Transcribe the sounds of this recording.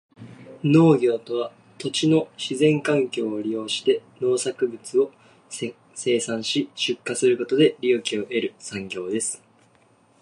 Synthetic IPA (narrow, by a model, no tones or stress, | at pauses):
no̞ːɡʲo̞ːt̪o̞βa | t̪o̞t͡ɕino̞ɕizẽ̞ŋkãŋkʲo̞ːɾʲijo̞ːɕi̥t̪e̞no̞ːsakɯ̟bɯ̟t͡sɨo̞ | se̞ːsãɰ̃ɕiɕɨkːasɨɾɯ̟ko̞t̪o̞d̪e̞ɾʲijɯ̟kʲio̞ʔe̞ɾɯ̟sãŋɡʲo̞ːd̪e̞sɨ̥